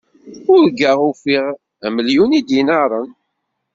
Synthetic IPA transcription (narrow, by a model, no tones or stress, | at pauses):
ʊɾɡəʁʊfiʁ | æməljunid̪inaɾˤən